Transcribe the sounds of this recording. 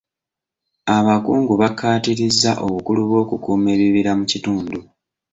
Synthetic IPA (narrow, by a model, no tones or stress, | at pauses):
aβakuːŋɡuβakːaːtiɾizːaʔo̞βukuluβwo̞ːkukuːme̞ːβiβiɾamucituːndu